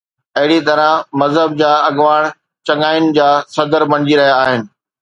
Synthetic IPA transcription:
ɐɦɪɽit̪ɐɾə̃mɐzɦəb̚d͡ʑaːɐɡʋaːɽ̃ | t͡ɕɐ̃ŋaːɪʊnɪ̆d͡ʑaːsɐd̪əɾbɐɽ̃ɪd͡ʑiɾɐɦijaːɦɪnɪ̆

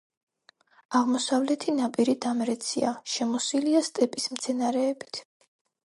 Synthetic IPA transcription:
aʁmɔsavlɛt̪ʰinapʼiɾid̪amɾɛt̪sʰiaʃɛmɔsiliast̪ʼɛpʼismt̪sʰɛnaɾɛːbit̪ʰ

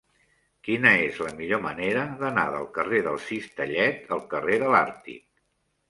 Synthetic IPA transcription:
kinəezləmiʎoməneɾəðəna̰ðə̰lˠkəreðəlˠsist̪əʎɛt̪əlˠkəreðəlaɾt̪ḭk̚

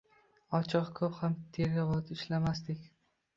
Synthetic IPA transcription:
ɒt͡ʃʰɨqkʰɵphamt̪ʰeɾɪvɒt̪ɪʃlamast̪ɪkʲ

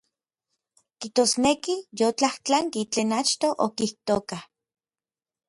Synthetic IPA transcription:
kiht̪osnekijot͡ɬaht͡ɬaŋkit͡ɬeːnat͡ʃt̪oʔo̰kiht̪okah

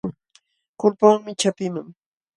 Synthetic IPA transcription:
kʊlpaŋmɪt͡ʃapɪmaŋ

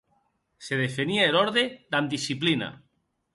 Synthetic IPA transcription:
seðefeniaeloɾðed̪and̪isiplina̰

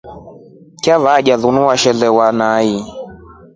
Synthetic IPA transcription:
kavaːʄaðunuwaʃɛlɛwanai

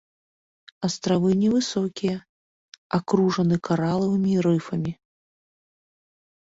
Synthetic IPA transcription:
ɐst̪ɾavɨnʲɛvɨsɔkʲijɐ | akɾuʐɐnɨkʰaɾalˠɐvɨmʲiɾɨfɐmʲi

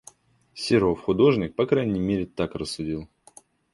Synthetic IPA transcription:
sʲɪɾo̞fxʊd̪o̞ʐnʲɪk̚pɐkɾajnʲɪjmʲeɾʲɪt̪akrəsːʊdʲilˠ

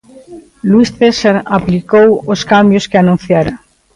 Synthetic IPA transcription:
lwisθesaɾaplikowoskambjoskɪanũn̟θjaɾɐ

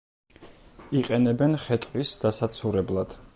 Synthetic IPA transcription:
iqʼɛnɛbɛnχɛt̪ʼqʼisd̪̥asat̪sʰuɾɛblˠad̪̥

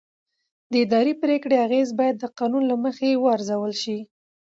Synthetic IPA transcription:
d̪əɪd̪ɑɾipɾekɽeaɣezbɑjad̪ːəqɑnunlaməxewəaɾzawəlʃi

